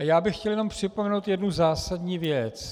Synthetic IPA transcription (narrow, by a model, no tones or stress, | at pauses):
jaːbɪxːcɛljɛno̞mpr̝̥ɪpomɛnowt̪jɛdnuzaːsadɲiːvjɛt͡s